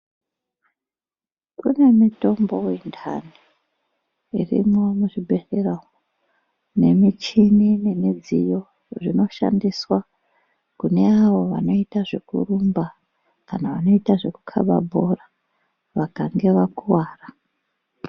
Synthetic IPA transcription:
kune̞mito̞mbo̞wintʰa̰ni | ḭrḭmo̞muʐibʱe̞rerawo | ne̞mit͡ʃinine̞mid͡zḭjo̞ | ʐino̞ʃa̰ndiswa | kune̞aʋo̞ʋa̰no̞itaʐe̞kṵrumba | kanaʋano̞itaʐe̞kukʰa̰ɓa̰bʱora | ʋakaŋɡe̞ʋakuwaːra

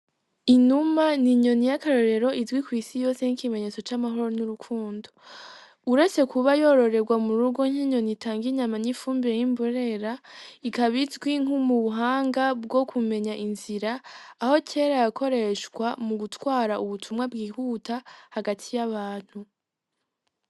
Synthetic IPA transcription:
inumaniɲo̞nijakaɾo̞ɾe̞ɾo̞ʔizwikwiːsijo̞ːse̞nikime̞ɲe̞t͡so̞t͡ʃamaɦo̞ɾonuɾukʰuːndo̥ | uɾe̞t͡se̞kʰuβajo̞ɾo̞ɾe̞ɡwamuɾuɡo̞ɲiɲo̞nitʰaːŋɡiɲamanifuːmbiɾejimboɾe̞ɾaikaβizɡwiŋumuβuɦaːŋɡabɡo̞kʰume̞ɲaʔinziɾaːho̞cʰe̞ːɾajakʰo̞ɾe̞ʃɡwamuɡutwaːɾaʔuβutʰumŋabɡiːɦutʰahaɡatʰijaβaːn̥hu

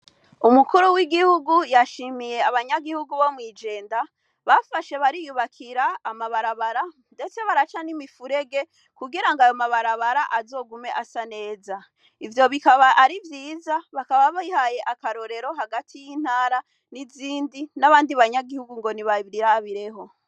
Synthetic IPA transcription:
umukuɾuwiɡihuɡujaʃimije̞aβaɲaɡihuɡuβo̞mŋiːd͡ʒe̞ːnda | βafaʃe̞βaɾijuβakʰiɾaːmaβaɾaβaɾa | nde̞t͡se̞βaɾat͡ʃanimifuɾe̞ɡe̞ | kuɡiɾaŋɡajomaβaɾaβaɾaʔazo̞ːɡume̞ʔasane̞ːza | ivjo̞βikaβaʔaɾivjiːzaβakaβaβihaje̞ʔakaɾo̞ɾe̞ɾo̞ɦaɡatʰijiːn̥haːɾa | niziːndinaβaːndiβaɲaɡihuɡuŋɡo̞niβaɾiɾaβiɾe̞ɦo̞

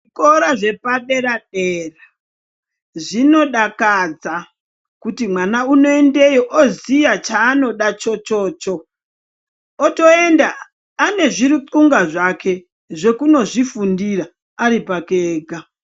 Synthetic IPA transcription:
ʐikoɾaʐe̞paɗeɾaɗera | ʐino̞ɗakad͡za | kutimwanauno̞e̞nde̞joʔozijat͡ʃaːno̞ɗat͡ʃo̞t͡ʃo̞ːt͡ʃo̞ | to̞e̞ndaː | ne̞ʐiɾit͡suŋɡaʐake̞ | ʐe̞kuno̞ʐifundira | aɾipakeːɡʱa

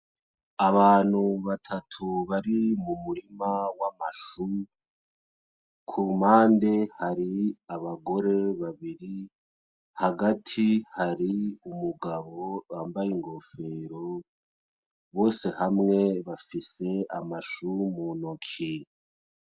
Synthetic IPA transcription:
aβaːn̥huβatʰatʰuβaɾimumuɾimawamaʃu | kʰumaːndehaɾiaβaɡo̞ɾe̞βaβiɾi | haɡatʰihaɾiumuɡaβo̞aːmbajiŋɡo̞fe̞ɾo̞ | βo̞ːse̞hamŋe̞βafise̞amaʃumuːnokʰi

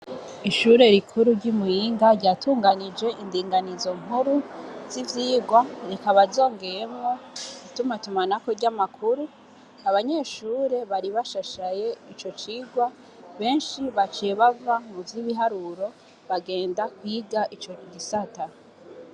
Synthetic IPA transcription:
iʃuɾe̞ɾikʰuɾuɾɟumujiːŋɡaɾɟaːtʰuːŋɡanid͡ʒe̞ʔindiːŋɡanizo̞ŋ̥uɾuz̥ivjiːɡwaɾekaβazo̞ːŋɡe̞je̞mŋo̞ɡ̥itumatumanakoɾɟamakʰuɾu | aβaɲe̞ʃuːɾe̞βaɾiβaʃaʃaje̞it͡ʃo̞t͡ʃiːɡwa | βe̞ːnʃiβat͡ʃeβavamuvjiβiɦaɾuɾo̞ | βaɡe̞ːndakwiːɡaʔit͡ʃoɟisata

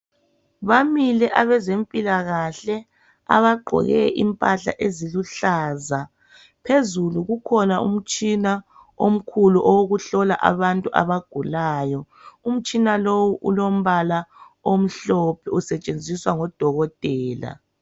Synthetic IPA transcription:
βamilɛʔaβɛzempʼilaɣaɬɛ | a̰βaɡ͡ǃʱɔ̰ɣɛʔimpʼaɬa̰ʔeziluɬaːza | pʰezuluɣukʰɔnaṵm̩t͡ʃʼina | om̩kʰuluʔɔwoɣuɬɔla̰ʔa̰βantʼuʔa̰βaɡ̥ʱulaːjɔ | um̩t͡ʃʼinalowuʔulom̩βala | om̩ɬɔpʰɛusɛt͡ʃʼend͡zʱiswaŋɔd̥ʱɔɣɔtʼɛːla̰

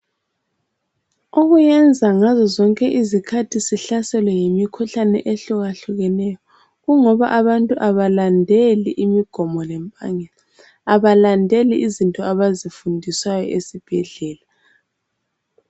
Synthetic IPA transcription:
oɣujɛnd͡zʱaŋazɔzɔŋkʼɛʔizikʰatʰisiɬasɛlwɛjimikʰuɬanɛ̰ʔeɬuɣaɬuɣɛnɛjɔ | ɣuŋɔβa̰ʔaβantʼuʔaβalandʱeliʔimiɡ̥ʱɔmɔlɛmpʼa̰ŋɛla | aβalandʱeliʔizintʼɔaβazifundʱisajɔʔesib̥ʱɛɮɛːla

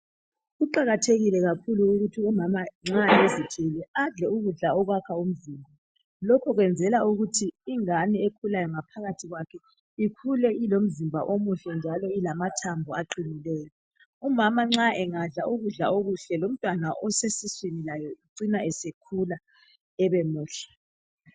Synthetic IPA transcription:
ɣuǃaɣatʰeɣilɛɣakʰuluːɣutʰiumamaŋ͡ǁaezikʰilɛaɮɛuɣuɮaɔɣwakʰaum̩ziːmbʱaa | lɔkʰɔɣwɛnd͡zʱɛlauɣutʰiːŋaniekʰulajɔŋapʰaɣatʰiɣwakʰɛ | ikʰulɛilom̩zimbʱa̰ʔomuɬɛnd͡ʒʱalɔilamatʰambʱɔaǃinilɛːjɔ | umamaŋ͡ǁaʔɛŋaɮaʔuɣuɮa̰oɣuɬɛlom̩tʼwanaʔɔsesiswinilajɔiǀinaɛsekʰula | ɛβɛmuːɬɛ̥

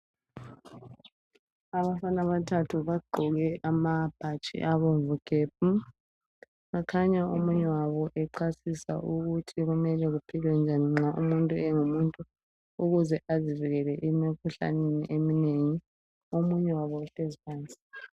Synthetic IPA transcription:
aβafanaβatʰatʰuβaɡ͡ǃʱɔɣɛʔamab̥ʱat͡ʃʼḭʔaβoɱvuɡ̥ʱeːb̚u | ɣakʰaɲaomuɲɛwaβɔʔɛǃʰasisa̰ʔuɣutʰiɣumɛlɛɣupʰilwɛnd͡ʒʱaniŋ͡ǁaʔṵmuntʼuɛŋumuntʼu | uɣuzɛʔaziviɣɛlɛʔimikʰuɬa̰nenḭʔemineŋi | omuɲɛwaβɔuɬezipʰaːnt͡sʼi̥

